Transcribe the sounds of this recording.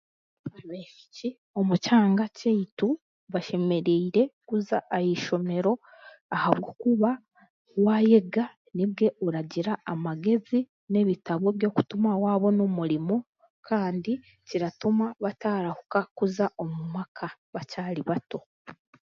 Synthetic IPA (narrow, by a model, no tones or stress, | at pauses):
βeʃi̥ci | o̞mucaːŋɡaceitu | βaʃe̞me̞ɾiːɾe̞kuzaʔajiʃo̞me̞ɾo̞ | ahaβɡokuβa | waje̞ɡa | nibɡe̞ʔuɾaɟiɾaamaɡe̞zi | ne̞βitaβo̞βjo̞ːku̥tumawaːβo̞nomuɾimo̞ | kʰaːndi | ciɾatumaβataːɾahukakuzaʔo̞mumakʰaβacaːɾiβato̞